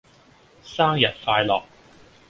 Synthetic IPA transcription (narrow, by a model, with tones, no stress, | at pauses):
saː˥ŋjɐ˨t̚faː˧jlɔ̰ː˨k̚